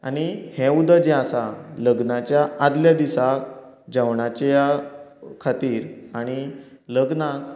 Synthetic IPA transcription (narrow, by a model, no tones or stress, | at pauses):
a̰ɽ̃ihɛ̃ud̪əd͡ʑɛ̃asaləɡnat͡ɕjaad̪ljad̪isak | d͡ʑawɳat͡ɕeja | kʰat̪iːɾaɽ̃i | ləɡnak̚